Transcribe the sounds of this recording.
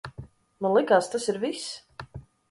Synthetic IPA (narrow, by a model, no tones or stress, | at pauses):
nulˠɛkaːst̪asiɾvis